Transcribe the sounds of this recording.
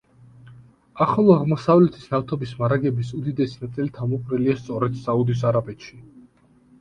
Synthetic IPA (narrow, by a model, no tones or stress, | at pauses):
aχɔlˠɔaʁmɔsavlɛt̪ʰisnaft̪ʰɔbismaɾaɡɛbisud̪id̪ɛsinat̪sʼilit̪ʰamɔpʼɾiliast̪sʼɔɾɛd̪̥saud̪is̬aɾabɛt̪ʃi